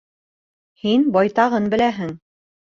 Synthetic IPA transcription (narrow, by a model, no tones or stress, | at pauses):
hinbɑjt̪ɑʁɤnbɘ̆læɦɘŋ